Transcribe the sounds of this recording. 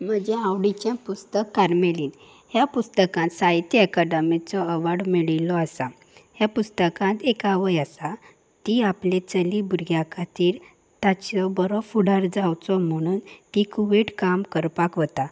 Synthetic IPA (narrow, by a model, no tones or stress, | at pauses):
m̤əd͡ʑeawɽit͡ɕjãpust̪əkːaɾmeliːn | ɦjapust̪əkãnt̪sajt̪iɛkəɖəmit͡sɔəʋaɽmiɭilɔasa | ɦjapust̪əkãt̪ekaʋəjasa | t̪iaplet͡səlibuɾɡjakʰat̪iːɾ | t̪at͡ɕɔbəɾɔfuɽaɾd͡zawt͡sɔm̤əɽ̃uːnt̪ikuʋeʈkamkəɾpakʋət̪a